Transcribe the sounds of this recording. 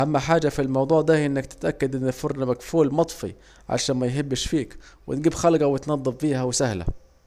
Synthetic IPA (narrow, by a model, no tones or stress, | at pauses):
ʔæmːæħaːd͡ʒæfilmɑwd̪ˤuːʕd̪æʔɪnːækt̪ɪ̥t̪ʔækːæd̪ʔɪnːɪfoɾnæmæɡfuːlmɑt̪ˤfḭ | ʕa̰ʃæːnmæjɦebːɪʃfiːkwɪt̪̚ɡiːbxælɡæwɪt̪nɑd̪ˤːɨfbiːhæwɪsæhlæ̰